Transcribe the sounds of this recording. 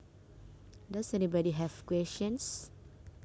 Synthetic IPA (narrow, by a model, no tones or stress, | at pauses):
dasɛnibɔdiɦɛfkwɛst͡ʃə̃ns